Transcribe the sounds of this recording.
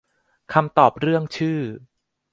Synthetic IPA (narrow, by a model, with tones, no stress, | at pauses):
kʰa˧mt̪ɔː˨˩p̚ɾɯ˥˩əŋt͡ɕʰɯː˥˩